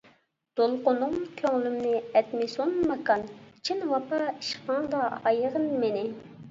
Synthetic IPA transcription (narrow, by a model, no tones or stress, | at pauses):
d̪̥olˠqʊnʊŋkʲʰøŋlymnɪɛt̪mɪsonmɑkɑnt͡ʃʰinwɑpɑiʃqɑŋd̪ɑɑjəʁənmenɪ